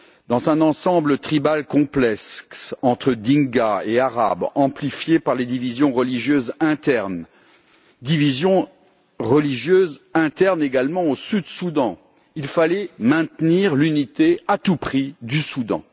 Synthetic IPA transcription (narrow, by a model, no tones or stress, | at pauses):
d̪̥ɑ̃zɛ̃nɑ̃sɑ̃blət̪χibalkɔ̃plɛksɑ̃t̪χəd̪ĩŋɡaeaʁa̰bɑ̃plifjepaʁled̪ivizjɔ̃ʁəliʒjøzɛ̃t̪ɛʁn | d̪ivizjɔ̃ | ʁəliʒjøzɛ̃t̪ɛʁneɡalmɑ̃osyd̪sud̪ɑ̃ | ilfalɛmɛ̃t̪niʁlynit̪eat̪upχid̪ysud̪ɑ̰̃